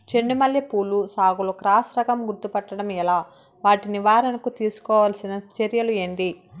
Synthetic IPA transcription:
t͡ʃeɳɖumɐljɐpuːlusaːɡulokɾaːsɾɐɡɐmɡuɾt̪upɐʈːɐɽɐmɛlaː | ʋaːʈiniʋaːɾɐnɐkut̪iːsu̥kɔːʋɐlɐsinɐt͡ʃeɾjɐlueɳɖi

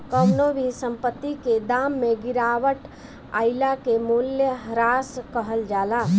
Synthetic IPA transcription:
kəwnobʱisəmpət̪ːiked̪amːeɡiɾaʋəʈ | a̰ilakemuljəɦɾaskəɦəld͡ʒala

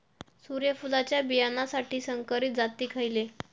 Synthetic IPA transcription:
suɾjəfulat͡ɕjabijanasaʈiːsəŋkəɾit̪̚d͡zat̪iːkʰajile

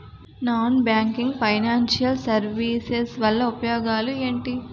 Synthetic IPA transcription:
naːnbjaːŋkiŋɡpʰɐjnaːnʃijɐlsɐɾʋiːsesʋɐlːɐupɐjoːɡaːlue̞ːɳʈi

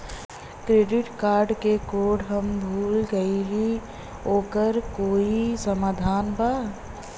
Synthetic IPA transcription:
kɾeːɖɪʈkaːɾɖkekoːɖɦəmbʱuːlɡəili | oːkəɾkoːisəmaːd̪ʱaːnba

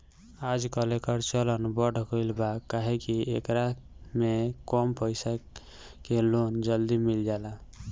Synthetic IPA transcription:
ad͡ʒkəlekəɾt͡ʃələnbəɽ̤ʱkojlbakaɦekiekɾa | mekɔmpəɪsa | kelond͡ʒəld̪imild͡ʒala

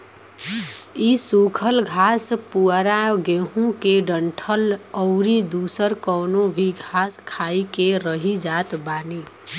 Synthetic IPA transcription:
isukʰəlɡʱaspuəɾaɡeɦũkeɖəɳʈʰələʊɾid̪usəɾkəwnobʱiɡʱaskʰajikeɾəɦid͡ʒat̪bani

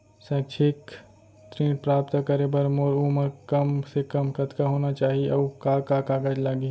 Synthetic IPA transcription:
sɛ̃ʈʰɪk | t̪ɾẽːʈ̚pɾaːp̚t̪akəɾebəɾmoːɾuːməɾkəmsekəmkət̪kaɦoːnat͡ʃaːɦieʔɔːkaːkakaːɡəd͡ʒlaːɡi

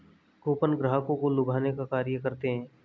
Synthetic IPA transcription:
koːpənɡɾəɦəkõkolʊbʱaːnekakaːɾijəkɐɾt̪eɦɛ̃ː

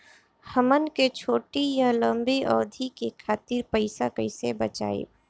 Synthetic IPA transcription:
həmənket͡ʃʰoːʈijalə̃mbiʔɔːd̪ʱikekʰaːt̪iɾpəɪsakəɪsebət͡ʃa̰ːḛː

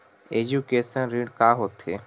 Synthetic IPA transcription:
ed͡ʒukeːsənɾiːɖkaːɦoːt̪ɦeː

